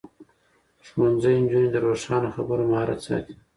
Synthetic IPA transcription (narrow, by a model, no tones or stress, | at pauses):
ʂmonzəjnd͡ʒuned̪əɾoʂɑnoxabəɾomɑɾa̰t͡sɑ̰t̪i̥